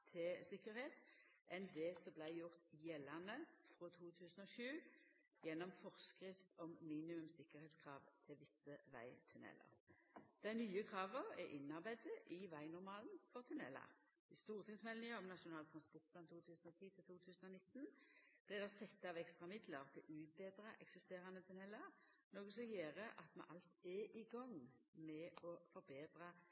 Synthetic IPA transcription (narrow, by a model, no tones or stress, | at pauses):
t̪ʰɪsɪkəɾheːt̪ʔɛnd̪ɛsɔblæɪjʊʁt̪jɛlɑnəfʁoːt̪ʰuːt̪ʰʉːsn̩ɔʃʉː | jɛnːɔmfɔʁskɾɪft̪ɔmːiːnɪmʉmsɪkəʁheːt̪skʰʁɑːʋt̪ʰɪlʋɪsəʋæ̰ɪt̪ʰʉnɛ̰lə̰ʁd̪̥æɪnyːəkʰʁɑːʋəʁɛʔɪnɑʁbæɪd̪əʔɪʋæɪnʊʁmɑːlnfɔʁt̪ʰʉnɛ̰lɑ̰ | ɪst̪uːʁt̪ʰɪŋsmɛlnɪəɔmnɑʂʊnɑːlt̪ʰɾɑnspɔʁt̪̚pʰlɑnt̪ʰuːt̪ʰʉːsnɔt̪ʰiːt̪ʰɪlt̪ʰuːt̪ʰʉːsnɔnɪt̪ːnb̥lɪd̪ɛsɛt̪ːɑʋɛkst̪ʁɑmɪd̪ləʁt̪ʰɪlʔʉːt̪̚beːd̪ɾɑʔɛksɪst̪eːɾʁɑnət̪ʰʉnɛlːɑɾ | noːɡəsɔjeːʁəʔɑt̪mɑ̰nʔɑlt̪ɛʔɪɡɔŋmɛɔfɔɾbeːd̪ɾə